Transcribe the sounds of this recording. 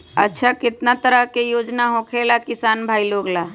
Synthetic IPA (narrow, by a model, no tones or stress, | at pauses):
ə̰tːʃʰakɪt̪nat̪əɾəɦkejoːd͡ʒnaɦõkʰelakɪsaːnbʱaːiloːɡla